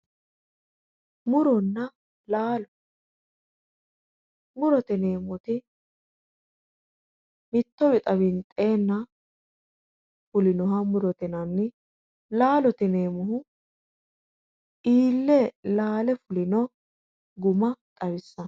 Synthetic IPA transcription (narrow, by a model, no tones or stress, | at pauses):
mʊɾɔnːɐ | laːlɔ | mʊɾɔt̪ɪneːmɔt̪ɪ | mɪt̪ːɔbɪt̪ʼɐβɪnt̪ʼe̞ːnːɐ | fʊlɪnɔɦɐmʊɾɔt̪ɪnɐnːɪ | laːlɔt̪ɪne̞ːmʊɦʊ | ʔiːlːɛlaːlɛfʊlɪnɔ | ɡʊmɐt̪ʼɐβɪsːɐn